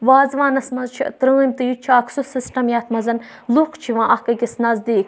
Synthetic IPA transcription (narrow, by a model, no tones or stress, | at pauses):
ʋaːzʋãːnɐsmɐzt͡ʃʰḭt̪ɾɨimt̪ɨjut͡ʃʰiaːksusɨsʈɐmjaːt̪ʰmɐzɐn | lukt͡ʃʰiʋãːʔɐkɐɡʲisnɐzd̪iːk